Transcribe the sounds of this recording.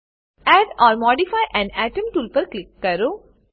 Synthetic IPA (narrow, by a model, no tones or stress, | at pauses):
ɛːɖɔːɾmɔːɖifaːjʔɛ̃nɛːʈə̃mʈuːlpɐɾklɪkːɐɾoː